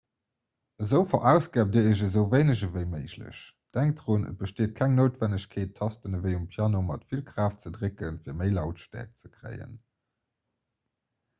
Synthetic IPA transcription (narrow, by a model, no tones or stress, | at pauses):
əzəʊfɐʔæʊsɡ̥aːb̚diːɐəʑəzəʊveɪnəʑəvəɪməɪɕlə̰ɕ | d̥æŋk̚tdʀunə̰t̚b̥əʃteːt̚kʰæŋnoʊtvænəɕkʰeːtʰːɑstənəvəɪumpʰjaːnomɑ̰tfilkʁaːft͡sədʁekənfiːɐməɪlɑʊtʃtæ̰ːɐk̚t͡səkʁḛɪə̰n